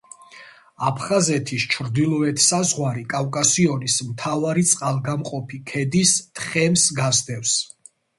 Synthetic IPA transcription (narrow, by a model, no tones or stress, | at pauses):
apʰχazɛt̪ʰist͡ʃʰɾd̪ilˠɔɛt̪ʰsazʁwaɾikʼavkʼasiɔnismt̪ʰavaɾit̪sʼqʼalˠɡamqʼɔpʰikʰɛd̪ist̪ʰχɛmsɡazd̪ɛfs